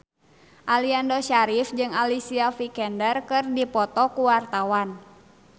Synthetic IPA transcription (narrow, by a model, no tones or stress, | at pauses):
ʔaliandoʃaɾifd͡ʒɨŋalisiafikɛndərkɨrdipɔt̪ɔkuwart̪awan